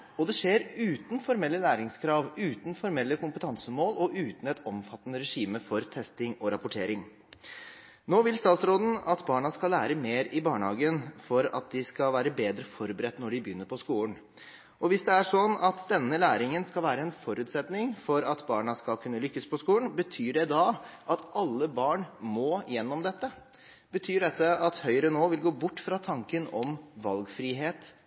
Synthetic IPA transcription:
ɔd̪ɛʂeːɾʉːt̪n̩fɔɾmɛlːəlæːɾɪŋskʰɾɑːʋʉːt̪n̩fɔɾmɛlːəkʊmpət̪ʰɑnsəmoːlɔʔʉːt̪n̩ɛt̪ɔmfɑt̪ːənəɾɛʂiːməfɔɾt̪ʰɛst̪ɪŋɔɾɑpʊʈʰeːɾɪŋ | noːʋɪlst̪ɑːt̪sɾoːd̪n̩ɑt̪bɑːɳɑskɑlæːɾəmeːɾɪbɑːɳhɑːɡənfɔɾɑ̰t̪̚d̪ɪskɑʋæːɾəbeːd̪ɾəfɔɾbəɾɛt̪ːnɔɖɪbjʏnːəɾpʰɔskuːən | ʔɔʋɪsd̪ɛæʂɔnɑt̪d̪ɛnːəlæːɾɪŋənskɑlʋæːɾəɛnfɔɾʉːt̪sɛt̪nɪŋfɔɾɑt̪bɑːɳɑskɑlkʰʉnːəlʏkːəspʰɔskuːlənbət̪ʰyːɖɛd̪ɑʔɑt̪ʔɑlːəbɑːɳmɔːjɛnːɔmd̪ɛt̪ːə | b̥ət̪ʰyːɖɛt̪ːəɑt̪hœʏəɾənoːʋɪlɡoːbʊʈːfɾɑt̪ʰɑŋkənɔmʋɑlɡfɾiːɦeːt̪

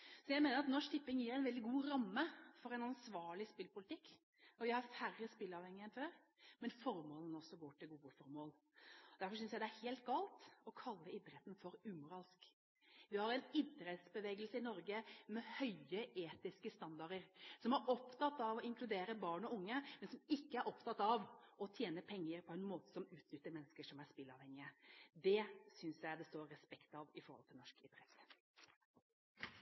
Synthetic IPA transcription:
sɔjæɪmeːnəɾɑt̪nɔʂt̪ʰɪpːɪŋjiːɾæɪnʋɛld̪ɪɡuːɾɑmːəfɔɾɛnɑnsʋɑːɭɪspɪlpʊlɪt̪ɪkː | ɔʋɪhɑɾfærːəspɪlːɑʋhɛŋːəɛnføːɾ | mɛnfɔɾmoːlən̩ɔsːɔɡoːʈɪlɡuːəfɔɾmoːl | ɔd̪æɾfɔɾʂʏnsjæɪd̪ɛæɾheːlt̪̚ɡɑːlt̪ɔkʰɑlːəɪd̪ɾɛt̪n̩fɔɾʉːmʊɾɑːlsk | ʋɪhɑɾɛnɪd̪ɾɛt̪sbəʋeːɡəlsəɪnɔɾɡəmɛhœʏəʔeːt̪ɪskəst̪ɑnd̪ɑɾəɾsɔmɑɾɔpt̪ʰɑt̪ːɑʋɔɪŋkʰlʉd̪eːɾəbɑːɳɔʊŋːəmɛnsɔmɪkːəæɾʔɔpt̪ʰɑt̪ːɑʋɔt̪ʰjeːnəpʰɛŋːəɾpʰɔɛnmoːt̪ə̥sɔmʉːt̪nʏt̪ːəɾmɛnːəskəʂɔmæspɪlːɑ̰ʋhɛŋːɪəd̪ɛsʏnsjæɪd̪ɛst̪oːɾːɛspɛkt̪ɑʋɪfɔɾhɔ̰lt̪ʰɪlɔʂkɪd̪ɾɛt̪

